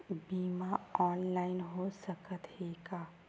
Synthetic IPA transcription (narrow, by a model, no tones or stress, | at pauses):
bimaɔnlaɪnɦosəkət̪ɦeka